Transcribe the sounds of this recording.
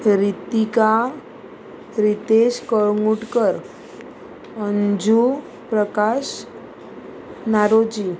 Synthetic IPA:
ɾit̪ika | ɾit̪eɕkəɭŋuʈkəɾ | ənd͡ʑu | pɾəkaɕ | naɾod͡ʑi

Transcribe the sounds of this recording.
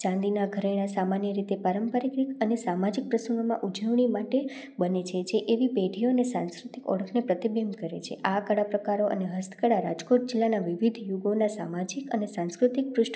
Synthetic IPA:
t͡ʃãnd̪inaɡʱəɾeɽ̃asamanjəɾit̪epaɾəmpəɾikɾikənesamad͡ʒik̚pɾəsəŋɡomã̰ʔud͡ʒəʋɳ̃imaʈe | bənet͡ʃʰet͡ʃʰeʔeʋipeʈʰijoənesã̰nskɾut̪ikɔ̰ɽəkʰnepɾət̪ibəmkəɾḛt͡ʃʰḛʔakəɽapɾəkaɾoʔə̰neɦəst̪ʰə̥kəɽaɾa̰d͡ʒkoʈ̚d͡ʒilːanaʋiʋid̪ʱjuɡonasa̰mad͡ʒikə̰nesãnskɾut̪ik̚pɾʊʃʈ

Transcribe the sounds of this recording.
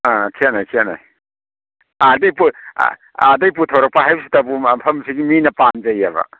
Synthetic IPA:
akʰianajkʰiana̰j | adɐjpṵ | adɐjp̬utʰawɾɐk̚paɦajbɐsi̥tɐbumpʰɐmsiɡiminɐpanzɐjaβɐ̰

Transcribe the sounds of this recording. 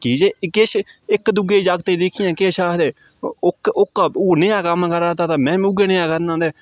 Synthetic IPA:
kiːd͡ʒeːkɪʃɪkd̪ʊɡeːd͡ʒaɡt̪eːd̪eːkʰɪjãːkeːʃaːɦd̪eː | ʊkʊkːneːãːkəmkəɾaːt̪aːt̪aːmɛ̃ːiʊɡeːnejãːkəɾnãːd̪eː

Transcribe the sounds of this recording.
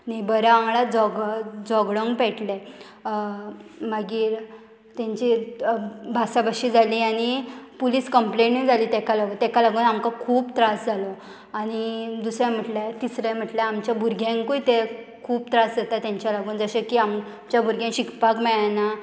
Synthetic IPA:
naibəɾaãŋɡɭad͡zɔɡd͡zɔɡɽɔŋɡpɛʈle | maɡiːɾ | t̪ãɲt͡ɕi | bʱasabaɕiːd͡zaliːaɽ̃ipuliːskəmpleɳʈnid͡zʱaliːt̪ɛkalaɡut̪ɛkalaɡuːnamkakʰuːpt̪ɾasd͡zʱalɔ | aɽ̃id̪usɾjãm̤əʈlat̪isɾãm̤əʈljaamt͡ɕjabʱuɾɡʱjãŋkujt̪e | kʰuːp̚t̪ɾasd͡zat̪at̪jãɲt͡ɕjalaɡuːnd͡zəɕekiam | t͡ɕjabʱuɾɡʱjãŋɕikpakmɛɭana

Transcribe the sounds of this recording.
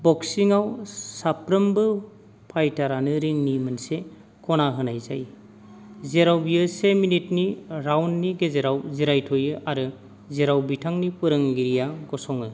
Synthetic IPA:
bɔksiŋawsapɾɯmbɯ | pʰajtaɾanɯɾiŋnimɯnse | kɔnaɦɯnajza̰j | zeɾawbiɯseminitniɾawnːiɡezeɾawziɾajtʰɔjɯʔaɾɯ | zeɾawbitʰaŋnipɯɾɯŋɡiɾijaɡɔsɔŋɯ

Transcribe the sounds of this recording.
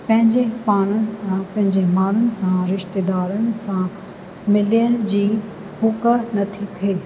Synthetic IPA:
pɐ̃ɦɪ̃ɲd͡ʑepaːɽ̃əpɐ̃ɦɪ̃ɲd͡ʑemaːɾʊnɪ̆sãɾɪʃt̪eːd̪aːɾənɪ̆sã | mɪljəɾd͡ʑiː | hʊkənɐt̪ʰit̪ʰeː

